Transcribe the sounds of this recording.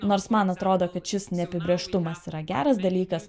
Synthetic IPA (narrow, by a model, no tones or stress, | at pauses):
noːɾsmɐnɐt̪ɾoːd̪oːkɐt̪ʃʲɪsnʲɛɐpʲɪbʲɾʲeːʃt̪ʊmɐsiːɾɐɡʲæ̰ːɾɐsd̪ɐlʲiːkɐs